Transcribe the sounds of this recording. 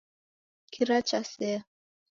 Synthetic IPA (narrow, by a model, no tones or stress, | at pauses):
kʰiɾat͡ʃasɛ